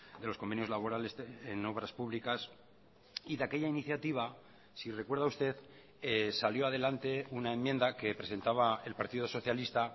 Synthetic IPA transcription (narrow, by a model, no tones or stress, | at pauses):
d̪e̞lo̞sko̞mbe̞njo̞zlaβo̞ɾale̞seno̞β̞ɾaspuβlikas | iðake̞ʎainiθjat̪iβ̞a | sire̞kwe̞ɾðaust̪e̞ð | saljo̞að̞e̞lant̪e̞unae̞mjẽ̞nd̪ake̞pɾe̞se̞nt̪aβae̞lpaɾt̪iðo̞so̞θjalist̪a